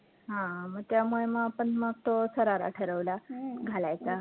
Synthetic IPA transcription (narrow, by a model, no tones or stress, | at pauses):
ɦãməɡ̚t̪jamuɭeməapəɳməɡ̚t̪osəɾaɾa̰ʈʰəɾəʋlaɡʱalajt͡sa